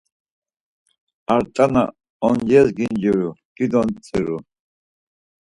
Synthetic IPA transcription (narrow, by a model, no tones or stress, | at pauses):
aɾt̪ʼana̰ | ɔnd͡ʒɛzɡind͡ʒiɾud̪̥id̪ɔnt͡sʼiɾu